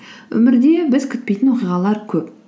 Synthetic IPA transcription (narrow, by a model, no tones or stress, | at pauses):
ɵ̰mɪɾd̪e̞bɪzkʲʰʏt̪̚pejt̪ɪnwo̞qijʁɑlˠɑɾkʲʰɵp